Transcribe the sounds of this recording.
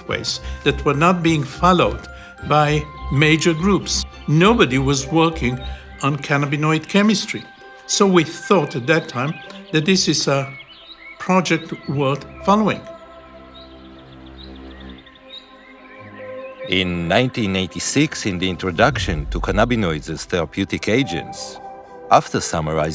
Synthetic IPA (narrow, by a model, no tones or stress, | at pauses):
wḛɪsðɨt̚wə˞nət̚b̥iɪ̃ŋfɑloʊd | baɪmeɪd͡ʒə˞ɡɹups | noʊbədiwʌzwɜ˞kʰɪ̃ŋ | ə̃nkʰænəbɨnɔɪdkʰɛmɨstɹ̥i | soʊwiθɔɾɨt̪̚ðɨtʰãɪ̃mðɨt̪̚ðɪsɨzə | pʰɹ̥ɑd͡ʒɛk̚twɜ˞d̪̥fɑlˠoɪ̃ŋ | ɪ̃nːãɪ̃ntĩneɪtisɪksɪ̃nðiɪ̃ntɹɔdʌkʃɨ̃ntʰukʰanabinɔɪdzɨz̥θɛɹəpʰjʉtɪkʰeɪd͡ʒɨ̰̃nts | ʔaftə˞saməɹa̰ɪ